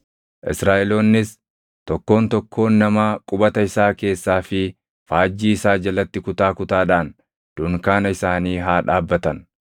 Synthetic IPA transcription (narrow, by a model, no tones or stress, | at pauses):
ʔɪsɾaːʔɛlo̞ːnːɪs | t̪ɔkːo̞ːnt̪ɔkʰːo̞ːnːɐmaːkʼʊbɐt̪ɐɪsaːke̞ːsːaːfɪ | faːd͡ʒːiːɪsaːd͡ʒɐlɐt̪ːɪkʊt̪aːkʊt̪aːᶑaːn | d̪̥ʊŋkaːnɐɪsaːniːɦaːᶑaːbːɐt̪ɐn